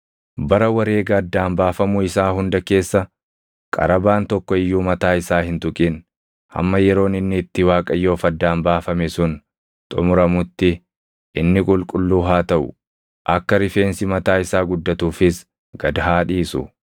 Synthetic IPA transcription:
bɐɾɐwɐɾe̞ːɡɐːd̪ːaːmbaːfɐmʊɪsaːɦʊnd̪ɐke̞ːsːɐ | kʼɐ̰ɾɐbaːnt̪ɔkːɔɪjːuːmɐt̪aːɪsaːhɪnt̪ʊkʼɪn | hɐ̰mːɐjɛɾo̞ːnɪnːɪːt̪ːɪwaːkʼɐjːo̞ːfɐd̪ːaːmbaːfɐmɛsʊn | t̪ʼʊmʊɾɐmʊt̪ːɪ | ʔɪnːɪkʼʊlkʼʊlːuːɦaːt̪ɐʔʊ̰ | ʔɐkːɐɾɪfe̞ːnsɪmɐt̪aːɪsaːɡʊd̪ːɐt̪uːfɪs | ɡ̥ɐd̪ɐɦaːᶑiːsʊ̰

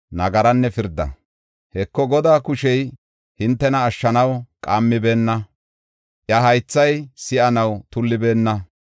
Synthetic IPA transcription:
nɐɡɐɾɐnːɛfɪɾd̪ɐ̰ | hɛkːɔɡɔd̪aːkʊʃɛj | hɪnt̪ːɛnɐːʃːɐnɐwkʼaːmːɪbe̞ːnːɐ | ʔjɐɦɐjt͡sːɐjsɪʔɐnɐwt̪ʊlːɪbe̞ːnːɐ

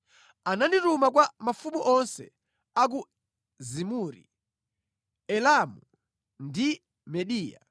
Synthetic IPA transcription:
ananditumak̬wamafumuʔɔnsɛ̰ | ak̬u | zimuːɾḭ | ɛlamu | ndi | mɛɗiːja̰

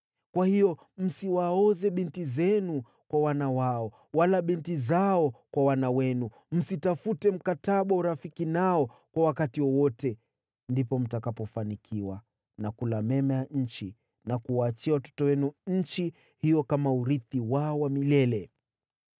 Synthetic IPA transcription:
kwahijɔ | m̩siwaɔzɛɓintizɛnu | kwawanawaɔ | walaɓintizaɔkwawanawɛnu | m̩sitafutɛm̩kataɓauɾafikinaɔkwawakatiwɔwɔtɛ | ndipɔm̩takapɔfanikʰiwa | nakulamɛmɛjaɲ̩t͡ʃi | nakuwaːt͡ʃiawatɔ̥tɔwɛnuɲ̩t͡ʃi | hijɔkamauɾiθiwaɔwamilɛlɛ

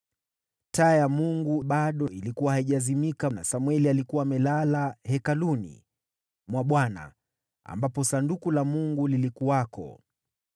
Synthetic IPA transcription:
tajamuŋɡuɓaɗɔilikuwahaiʄazimikana̰samwɛlialikuwaːmɛlalahɛkalunḭ | mwaɓwana̰ | a̰mbapɔsandukulamuŋɡulilikuwakɔ̰

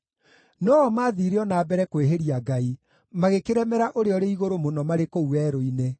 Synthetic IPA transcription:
nɔːɔmaːðiɾeɔnaːbɛɾɛkoeɦeɾiaɡai | maɣekeɾɛmɛɾaʔoɾeɔɾeiɣoɾomonɔmaɾekouɛɾoine

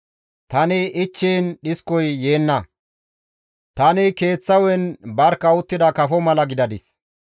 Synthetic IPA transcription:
t̪ɐnɪʔɪt͡ʃːiːnɗɪskɔjːe̞ːnːɐ | t̪ɐnɪke̞ːt͡sːɐwɛnbɐɾkːɐʊt̪ːɪd̪ɐkɐfɔmɐlɐɡɪd̪ɐd̪ɪs

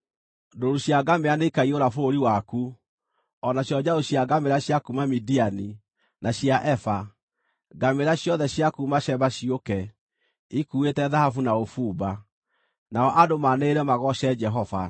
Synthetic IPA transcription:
doɾuɕjaɡameaneikaioɾafoɾiwaku | ɔnaɕjɔd͡ʑaoɕjaɡameɾaɕjakumamidiani | naɕjaʔɛfa | ɡameɾaɕjɔðɛɕjakumaɕɛβaɕiokɛ | ikuːetɛðahafunaofuːba | naɔʔadomaneeɾɛmaɣɔɕɛd͡ʒɛɦɔva̰

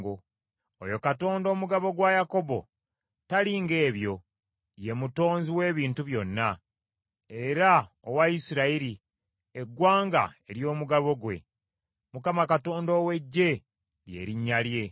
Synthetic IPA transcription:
ɡo | ojo̞kato̞ːndo̞ːmuɡaβo̞ɡwajako̞bo̞̰ | taliːŋɡe̞ːβjo̞ | je̞muto̞ːnziwe̞ːβiːntuβjo̞nːa | e̞ɾa | owaisiɾaiɾi | eɡwaːŋɡa̰e̞ɾjo̞ːmuɡaβo̞ɡwe̞̰ | mukamakato̞ːndoːwe̞ɟːe̞ | ɾje̞̰ːɾiɲːalje̞

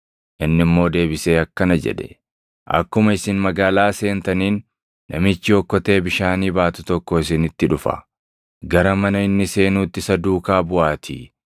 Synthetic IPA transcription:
ʔɪnːɪmːo̞ːd̪e̞ːbɪse̞ːɐkːɐnɐd͡ʒɛ̰ᶑɛ̥ | ʔɐ̰kːʊmɐɪsɪnmɐɡaːlaːse̞ːnt̪ɐniːnː | ɐ̰mɪt͡ʃːɪɔkːɔt̪e̞ːbɪʃaːniːbaːt̪ʊt̪ɔkːɔɪsɪnɪt̪ːɪᶑʊfɐ̰ | ɡɐɾɐmɐnɐɪnːɪse̞ːnuːt̪ːɪsɐd̪uːkaːbʊʔaːt̪ʰḭ

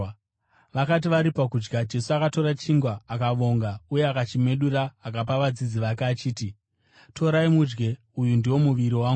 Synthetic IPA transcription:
ʋakat̬iʋaɾipak̬ud͡ʒɡad͡ʒe̞suakato̞ɾat͡ʃiŋɡwaːkaʋo̞ŋɡaujeakat͡ʃime̞ɗuraːkapaʋad͡zid͡ziʋakaːt͡ʃiːti | tʰo̞ɾaimud͡ʒɡe̞ | ujundiwo̞muʋiɾiwaːŋɡu

